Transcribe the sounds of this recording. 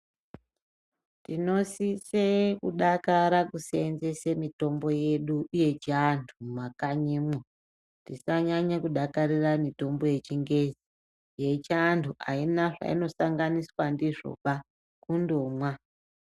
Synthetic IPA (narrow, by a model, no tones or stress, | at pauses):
tino̞sisekuɗakaɾakuseenze̞semito̞mbo̞je̞ɗuːje̞t͡ʃiantʰumakaɲimo | tisaɲaɲakuɗakariramito̞mbo̞je̞t͡ʃiŋɡe̞zi | je̞t͡ʃːntʰuʔainaʐa̰ḭno̞saŋɡaniswandiʐo̞̰pa | kundomwa